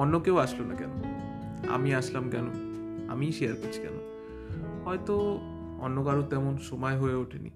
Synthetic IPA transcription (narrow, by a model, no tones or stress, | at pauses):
ɔnːokewaʃlonakɛ̰no | a̰miaʃlamkɛno | a̰miʃejaɾkot͡ɕʰi̥kɛ̰no̰ | hɔet̪o | ɔ̰nːokaɾot̪ɛmonʃɔmaeɦoeoʈʰenḭ